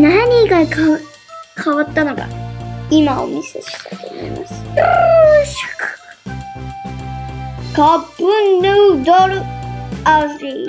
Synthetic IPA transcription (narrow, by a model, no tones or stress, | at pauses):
naɲ̟iɡaka | kʰaβat̪ːanoka̰imao̰miseɕi̥t̪ajt̪oomo̰imasɨ̥ | ɕk | kapːɯnːɯd̪oɾɯaɾi